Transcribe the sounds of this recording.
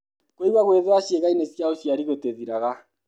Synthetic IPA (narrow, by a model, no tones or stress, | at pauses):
kwiwaɣweðeaɕjeɣainesjaoʃjaɾiɣoteðiɾaɣa